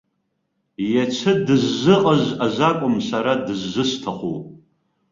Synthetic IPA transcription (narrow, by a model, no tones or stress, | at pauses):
jat͡ʃʰɨdɨzːɨqʼəʒaʒʷakʷʼʊmsaɾadɨzːɨɕtʰaχʷo̰w